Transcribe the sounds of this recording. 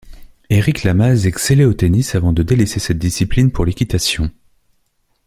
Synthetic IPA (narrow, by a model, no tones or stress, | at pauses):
eʁiklamazɛkseleot̪enisavɑ̃d̪əd̪elesesɛt̪̚d̪isiplinpuʁlekʲit̪asjɔ̃